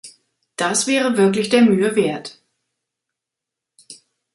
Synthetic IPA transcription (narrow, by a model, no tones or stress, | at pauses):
d̥asv̥ɛːʁəvɪɐklɪçd̥eːɐmyːəveːɐt